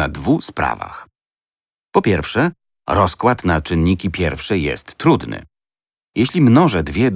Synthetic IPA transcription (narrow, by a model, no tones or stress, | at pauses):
ad̪vuspɾa̰va̰x | pɔpʲjɛɾfʂɛ | ɾɔskwat̪nat͡ʂɘnʲːikʲipʲjɛɾfʂɘjɛ̰st̪ːɾud̪nɘ̰ | jɛɕlʲimnɔʐɛd̪vʲjɛd̪